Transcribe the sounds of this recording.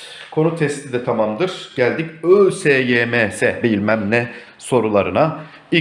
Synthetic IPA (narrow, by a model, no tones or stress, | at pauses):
kʰo̞nut̪ʰɛst̪ʰid̪ɛt̪ʰamamd̪ɯɾ̥ɟ̥ælʲd̪icøːseːjeːmeːsɛbilʲmæmnɛ | so̞ɾulˠaɾɯna | i